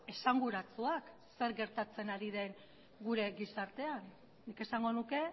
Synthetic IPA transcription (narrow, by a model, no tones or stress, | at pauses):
e̞saŋɡuɾat͡suak | se̞ɾɣe̞ɾt̪at͡se̞naɾiðe̞ŋ | ɡuɾe̞ɡisaɾt̪e̞anː | ike̞saŋɡo̞nuke̞